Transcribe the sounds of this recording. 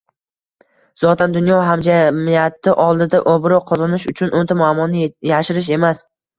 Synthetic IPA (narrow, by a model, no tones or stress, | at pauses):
z̥ɒt̪ʰand̪ʊnjɒɦamd͡ʒamijat̪ɪʔɒlˠd̪ɪd̪aʔobɾɒqʰɒzɒnɪʃʊt͡ʃʰʊnʔont̪amamɒnɪjaʃɪɾɪʃ̬e̞mas